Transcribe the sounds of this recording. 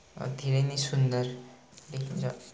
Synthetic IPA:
d̪ʱeɾʌjnesund̪ʌr | lekʰint͡sʰʌ

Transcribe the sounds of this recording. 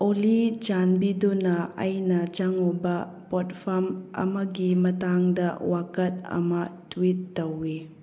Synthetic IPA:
olit͡ʃanbidunɐːjnɐt͡ʃaŋobɐ | pɔt̚pʰɐmɐ̰mɐɡimɐtaŋdɐwakɐt̚ɐ̰mɐtwit̚ːɐwi

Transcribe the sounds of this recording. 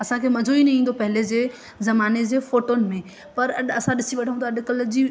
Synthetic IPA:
ɐsãkʰeːmɐd͡ʑʱoinɐɦĩːn̆d̪opɐɦɪled͡ʑeː | zɐmaːned͡ʑeːfoːʈonɪ̆mẽ | pɐɾɐɗɐsãɗɪsiʋɐʈʰə̃ũt̪ʰaɐɗkɐld͡ʑiː

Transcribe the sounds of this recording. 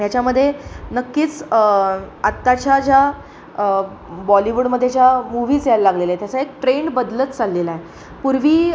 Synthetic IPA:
jat͡ɕjaməd̪ʱːjenəkːiːt͡s | at̪ːat͡ɕjad͡ʑja | bɔliʋuɽməd̪ʱːjet͡ɕjamuʋiːd͡zjalːaɡlelaet̪jat͡saekʈɾeɳɖbəd̪lət͡st͡salːelae | puɾʋiː

